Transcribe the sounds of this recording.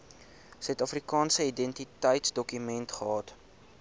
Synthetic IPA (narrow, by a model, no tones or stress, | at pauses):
sœɛtɑfrikɑːnsəidɛntitəjtsdɔkymɛntχəɦɑːt